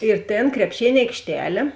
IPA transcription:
ɪr ˈtʲeːn krʲɛpʲˈʃʲeːnʲ ɐɪkʃʲˈtʲæːlʲeː

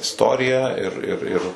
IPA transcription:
ɪsˈtoːrʲɪjɛ ɪr ɪr ɪr

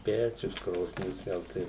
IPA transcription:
ˈpʲæːt͡ʃʲʊs ˈkroːsʲnʲɪs ˈɡɐlˠ tɐɪ

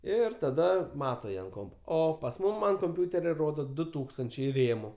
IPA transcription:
ˈɪr tɐˈdɐ ˈmɑːtoː ˈjiɛ ɐnt ˈkoːmpoː ˈoː pɐs ˈmuːm ɐn koːmʲˈpʲʊtʲɛrʲɛ ˈroːdoː ˈdʊ ˈtuːkstɐnʲt͡ʃʲɛɪ ˈrʲeːmʊ

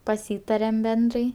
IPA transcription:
pɐˈsʲiːtɐrʲɛm ˈbʲɛndrɐɪ

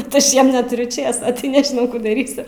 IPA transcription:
kɐt ˈɐʃ ˈjiɛm nʲɛˈtʊrʲʊ ˈt͡ʃʲeːsoː tɐɪ nʲɛʒʲɪˈnɐʊ ˈkuː dɐˈrʲiːsʲʊ

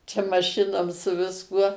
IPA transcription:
t͡ʃʲɛ mɐˈʃʲɪnoːm sʊ ʋʲɪsˈkuɔ

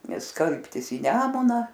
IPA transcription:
ˈnʲɛs ˈskɐlʲpʲtʲɪs iː ˈnʲæːmʊnɐ

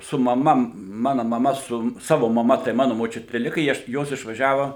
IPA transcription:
sʊ mɐˈmɐ ˈmɑːnɐ mɐˈmɐ sʊ ˈsɑːʋoː mɐˈmɐ tɐɪ ˈmɑːnʊ moːˈt͡ʃʲʊtʲɪ ˈlʲɪkɐ ɪ ˈɐʃ ˈjoːs ɪʃʋɐˈʒʲæːʋɐ

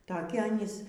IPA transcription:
tɐˈkʲɪ ˈɑːnʲiːs

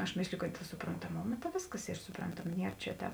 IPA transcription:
ɐʃ ˈmʲeːsʲlʲɪjʊ kɐt sʊproːntɐˈmoːmɐ tɐ ˈʋʲeːsˌkɐs ˈiː sʊˈprɐntɐmɐ ˈnʲiɛr t͡ʃʲɛ ˈtʲɛːp

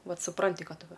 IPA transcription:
ˈʋɐt sʊˈprɐnʲtʲɪ ˈkɐt ˈʋɐ

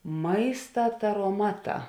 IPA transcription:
ˈmɐɪstɐ tɐroːˈmɑːˌtɑː

